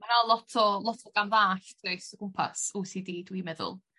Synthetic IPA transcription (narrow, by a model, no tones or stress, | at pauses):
manalˠɔtʰɔlˠɔtʰɔɡanðaːɬd̥ʰrɔɨsɔkʰʊmpʰa̰suːsiːdiːdwimɛðʊ̰lˠ